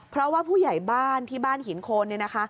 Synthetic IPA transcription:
pʰɾɔ˦˥waː˥˩pʰuː˥˩ja˨˩jbaː˥˩nt̪ʰiː˥˩baː˥˩nhi˩˦nkʰoː˧nːi˥˩na˦˥kʰa˦˥

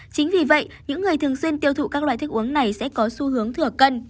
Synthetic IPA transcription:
t͡ɕï˨˦ŋ̟vi˨˩və̰˧˨jɲɨ̰˧˥ŋːɨ˨˩əjt̪ʰɨ˨˩əŋswi˧ənt̪i˧˩əwt̪ʰṵ˧˨kaː˦˥k̚la̰ː˧˨jt̪ɨ˦˥k̚ʔəŋna˨˩jsɛ̰˧˥kɔ˨˦su˧ɦɨ˨˦əŋt̪ʰɨ˧˩əkə˧n

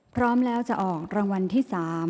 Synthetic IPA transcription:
pʰɾɔː˦˥mlɛː˦˥wt͡ɕa˨˩ʔɔː˨˩k̚ɾaː˧ŋwa˧nt̪ʰiː˥˩saː˩˦m

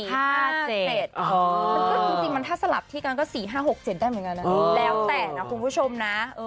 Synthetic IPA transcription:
aːhaː˥˩t͡ɕe˨˩t͡ɕe˨˩t̪̚ʔɔ˧o˧˥˧ɯ˥˩t͡ɕi˧ŋt͡ɕi˧ŋma˧nt̪ʰaː˥˩sa˧la˨˩p̚t̪ʰiː˥˩ka˧nkɔː˥˩siː˨˩ɦaː˥˩ɦo˨˩k̚t͡ɕe˨˩t̚daː˥˩jmɯ˩˦ŋka˧na˦˧ʔlɛː˦˥wt̪ɛː˨˩na˦˥kʰu˧npʰuː˦˥˩t͡ɕʰo˧mna˦˥ʔɤː˧

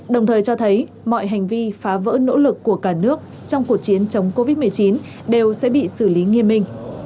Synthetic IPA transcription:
ɗə˨˩wŋ͡mt̪ʰəː˨˩jt͡ɕɔ˧t̪ʰə˨˦j | mɔ̰˧˨jɦa˨˩jŋ̟vi˧faː˨˦və̰ː˧˥no̰˧˥lɨ˨˩kːu˧˩əkaː˧˩nɨ˦˥ək̚ | t͡ɕɔ˧wŋ͡mku˨˩ək̚t͡ɕi˨˦ənt͡ɕə˨˦wŋ͡mko˧vi˦˥t̚mɨ˨˩əjt͡ɕi˨˦n | ɗe˨˩wsɛ̰˧˥ɓḭ˧˨sɨ˧˩li˨˦ŋi˧əmːi˧ŋ̟

